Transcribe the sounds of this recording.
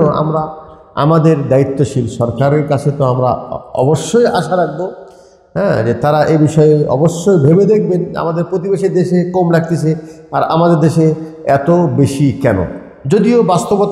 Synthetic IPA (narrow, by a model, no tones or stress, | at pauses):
oa̰mɾa | a̰mad̪eɾd̪ait̪ːoʃilʃɔɾkaɾeɾkat͡ɕʰet̪oamɾa̰ɔ̰boʃːojʔa̰ʃaɾak̚bo | ɦɛ̃d͡ʑet̪aɾaʔebiʃɔeɔ̰boʃːojbʱebed̪ekʰbena̰mad̪eɾpɾot̪̬ibeʃeɾd̪eʃekomɾak̚t̪et͡ɕʰea̰ɾa̰mad̪eɾd̪eʃeɛt̪obeʃikɛno̰ | d͡ʑod̪iobast̪obot̪